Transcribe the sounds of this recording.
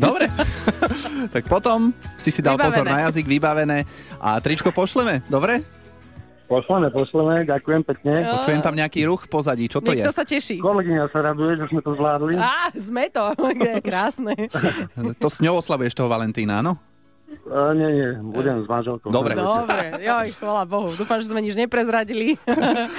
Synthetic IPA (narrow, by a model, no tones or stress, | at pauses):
d̪ɔbɾɛ | t̪ak̚pɔt̪ɔmsisid̪alˠbapɔzɔɾnajaziɡʋibaʋɛnɛːʔa̰t̪ɾit͡ʃkɔpɔʃlɛmɛd̪ɔbɾɛ | pɔʃlɛmɛpɔʃlɛmɛɟakujɛmpɛkɲɛɔt͡ʃujɛmt̪amɲɛakiːɾuxfpɔzaɟit͡ʃɔtɲɔɛjɛt̪ɔsacɛʃiːkɔlɛɡiɲasaɾad̪ujɛʒɛzmɛt̪ɔzʋlaːd̪liazmɛt̪ɔɡɛjɛkɾaːsnɛː | t̪ɔsɲɔʊɔslaʋujɛʃt̪ɔɦɔʋalɛnt̪iːnaa̰nɔ | ɲɛɲɛbuɟɛmzmanʒɛlkɔʊd̪ɔbɾɛd̪ɔbɾɛjɔjxʋalabɔɦud̪uːfamʒɛzmɛɲid͡ʒɲɛpɾɛzɾaɟili